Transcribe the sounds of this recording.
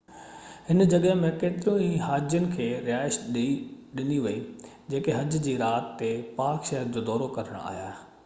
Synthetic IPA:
hɪnd͡ʑɐɠəɦmẽkeːt̪ɪɾũĩɦaːd͡ʑjʊnɪ̆kʰeːɾɪjaːɪʃɗ | ɗɪniʋɐi | d͡ʑeːkeɦɐd͡ʑd͡ʑiːɾaːt̪ːepaːkʃɐɦɪɾd͡ʑoːd̪ɔːɾokɐɾəɽ̃a̰ːɦja̰ː

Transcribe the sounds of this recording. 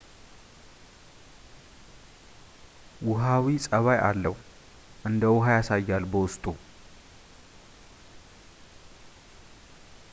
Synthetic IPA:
wʊɦawisʼəβajʔa̰lːəh | ʔɨnd̪əwʊɦajasajːalbəwʊst̪ʼu

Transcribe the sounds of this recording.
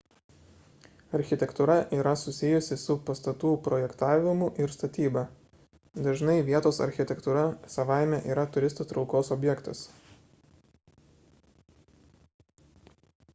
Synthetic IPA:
ɐɾʲxʲɪt̪ʲɛkt̪ʊɾɐʔiːɾɐsʊsʲɪjʊsʲɪsʊpɐst̪ɐt̪uːpɾɔjɛkt̪ɑːʋʲɪmʊʔɪɾst̪ɐt̪ʲiːbɐ | d̪ɐʒnɐɪʋʲiɛt̪oːsɐ̰ɾʲxʲɪt̪ʲɛkt̪uːɾɐsɐʋɑˑɪmʲɛʔiːɾɐt̪ʊɾʲɪst̪ot̪ɾɒʊkoːsɔbʲjɛkt̪ɐs

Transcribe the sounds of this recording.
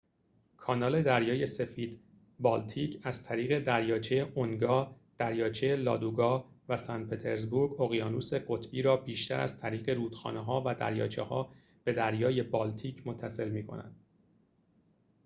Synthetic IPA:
kʰɒːnɒːle̞d̪æɾjɒːje̞se̞fiːd̪ | bɒːlt̪ʰiːcʰæzt̪ʰæɾiːɣe̞d̪æɾjɒːt͡ʃʰejeʔonɡɒː | d̪̥æɾjɒːt͡ʃʰejelɒ̰ːd̪uɡɒːvæsænpʰe̞t̪ʰeɾzbuɾɡoɣijɒːnuːse̞ɢo̞t̪ʰbiːɾɒːbiːʃt̪æɾæ̰z̥t̪ʰæɾiːɣe̞ɾuːd̪̥xɒ̰ːneɦɒːvæd̪æ̰ɾjɒ̰ːt͡ʃʰḛhɒː | b̥e̞d̪æɾjɒːje̞bɒːlt̪ʰiːcʰmo̞t̪ʰːæse̞lmiːkʰo̞̰næ̰d̪̥

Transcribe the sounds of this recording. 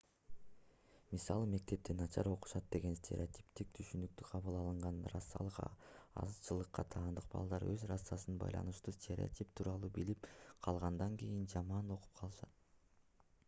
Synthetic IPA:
misɑlˠɯme̞k̚t̪e̞p̚t̪enɑt͡ʃɑɾo̞qu̥ʃɑt̪̚d̪e̞ɡe̞nsʲt̪ʲʰeɾʲḛot̪ʲi̥pt̪ik̚t̪ʰyʃynyk̚t̪yqʰɑβɯlˠɑlˠɯɴʁɑnrɑ̰sːɑ̰lˠɯqɑɑ̰zt͡ʃɯlˠɯqːɑt̪ʰɑːnd̪ɯq̚bɑ̰lˠd̪ɑɾøzɾɑsːɑsɯnbɑ̰jlˠɑ̰nɯʃt̪uːstʲʰe̞ɾʲḛo̰tʲipt̪ʰuːɾɑlˠuːbilipqʰɑlˠʁɑnd̪ɑŋkejind͡ʒɑmɑno̞qu̥p̚qʰɑlˠɯʃɑt̪̚

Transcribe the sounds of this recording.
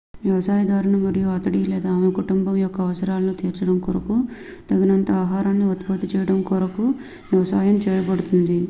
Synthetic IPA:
ʋjɐʋɐsaːjɐd̪aːɾɐɳɐmɐɾijuɐt̪ɐɽileɛːd̪aːmekuʈumbɐmjɔkːɐːʋɐsɐɾaːlɐnut̪iːɾt͡ʃɐɽɐmkɔɾɐku | d̪ɐɡɐnɐnt̪ɐaːɦaːɾaːnːiɐt̪bɐt̪it͡ʃɛːjɐɽɐmkɔɾɐku | ʋjɐʋɐsaːjɐmt͡ʃɛːjɐbɐɽut̪und̪i

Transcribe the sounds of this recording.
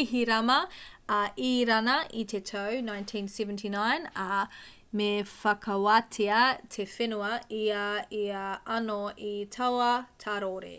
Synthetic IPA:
iɦiɾɐmɐɐʔiɾɐnɐʔitʰetʰɐwnãjntʰĩnsɛvə̃ntʰinajnɐ | mefɐkʰɐwatʰeɐtʰefenuɐiɐiɐɐnoitʰɐwɐtʰaɾoɾḛ

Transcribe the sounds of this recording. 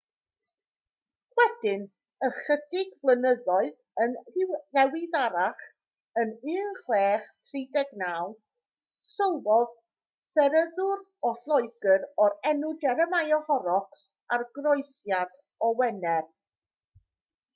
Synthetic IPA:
wɛdɪn | əχədɪɡvlˠənəðɔɨð | ənrɪwrɛwɪðaɾaχ | ənɨːnχweːχtʰridɛɡnaːlˠ | sɔwvɔð | sɛɾəðʊɾ | ɔθlˠɔɨɡəɾɔɾɛnʊdɛɾəmajɔhɔɾɔks | arɡrɔɨsjad̥ | ɔwɛnɛr

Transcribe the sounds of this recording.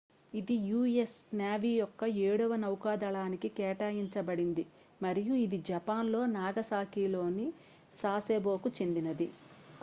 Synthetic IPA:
id̪ijuːesnjaːʋiːjɔkːɐeːɽuʋɐnɐwkaːd̪ɐɭaːnikikɛːʈaːjiɲt͡ʃɐbɐɽind̪i | mɐɾijuid̪id͡ʒɐpaːnlo̞ːnaːɡɐsaːkiːlo̞ːni | saːseːbo̞ːkut͡ʃe̞nd̪inɐd̪i

